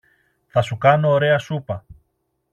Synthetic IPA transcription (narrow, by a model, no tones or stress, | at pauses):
θɐsukɐno̞ːɾe̞ɐsupɐ